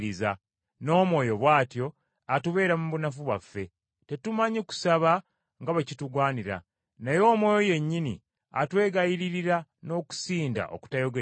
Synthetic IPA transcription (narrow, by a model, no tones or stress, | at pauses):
iza | no̞ːmwo̞ːjo̞βwaːtjo̞ | atuβe̞ːɾamuβunafuβwafːe̞ | te̞tumaɲiku̥saβa | ŋɡaβecituɡwaːniɾa̰ | najo̞ːmwo̞ːjo̞je̞ɲːinḭ | a̰twe̞ːɡajiɾiɾiɾano̞ːku̥siːnda̰ʔo̞̰ku̥tajo̞ɡe